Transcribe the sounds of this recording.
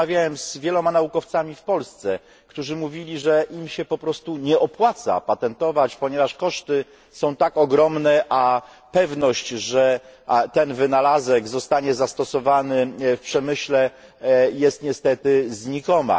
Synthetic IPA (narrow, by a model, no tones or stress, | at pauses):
avʲjawɛmzvʲjɛlɔmanaukɔft̪samʲifpɔlst̪sɛ | kt̪uʐɘmuvʲilʲiʐɛʔimɕɛpɔpɾɔst̪uɲɛʔɔpwat̪sa̰pat̪ɛnt̪ɔvat͡ɕpɔɲɛvaʂkɔʂt̪ɘ | sɔ̃w̃t̪akɔɡɾɔmnɛʔa | pɛvnɔɕt͡ɕʐɛt̪ɛnvɘnalazɛɡzɔst̪aɲɛzast̪ɔsɔvanɘfpʂɛmɘɕlɛ | jɛst̪ɲɛst̪ɛt̪ɘzɲikɔma̰